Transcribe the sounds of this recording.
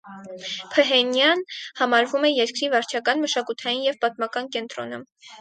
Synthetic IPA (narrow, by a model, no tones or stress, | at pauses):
pʰəɦɛnjɑnhɑmɑɾvumɛjɛɾkɾivɑɾt͡ʃʰɑkɑnməʃɑkut̪ʰɑjinjɛvpɑt̪mɑkɑnkɛnt̪ɾɔ̰nə̰